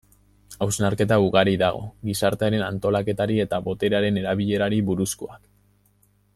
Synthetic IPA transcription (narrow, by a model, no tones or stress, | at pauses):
awsnaɾke̞t̪auɣaɾiðaɣ̞o̞̰ɣisaɾt̪eeɾe̞nant̪o̞lake̞t̪aɾie̞t̪aβo̞t̪e̞ɾeaɾe̞ne̞ɾaβ̞iʎe̞ɾaɾiβuɾuskoak